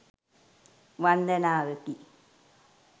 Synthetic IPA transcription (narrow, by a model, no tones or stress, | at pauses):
ʋand̪ənaːʋət̪i